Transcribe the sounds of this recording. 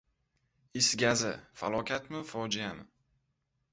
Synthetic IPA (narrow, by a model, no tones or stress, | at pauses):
ɪsɡʲazɪ̰fa̰lˠɒkʲʰat̪mɪfɒd͡ʒijamɪ